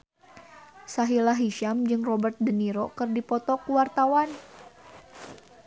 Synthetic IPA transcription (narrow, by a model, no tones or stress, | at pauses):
saɦilaɦiʃamd͡ʒɨŋrɔbərt̪̚dəniɾɔkɨrdipɔt̪ɔkuwart̪awan